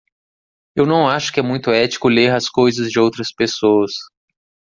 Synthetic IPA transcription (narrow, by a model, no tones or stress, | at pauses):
ewnɐ̃w̃aʃʊ̥kɪɛmũj̃t̪ʊɛt͡ʃi̥kʊleɾɐskojzɐzd͡ʒɪowt̪ɾɐspesoɐs